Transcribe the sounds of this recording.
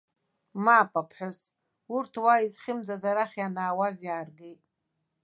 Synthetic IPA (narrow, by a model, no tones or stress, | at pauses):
maːpʼapʰħʷᶣos | urtʰwaizχʲɪmd͡zazaɾaχʲjanaːwazjaːrɡejtʼ